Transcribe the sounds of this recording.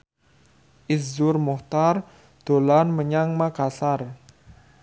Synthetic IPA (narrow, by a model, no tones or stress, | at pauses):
ʔɪszʊrmɔht̪ar | d̪̥o̤lanməɲaŋmaɡasar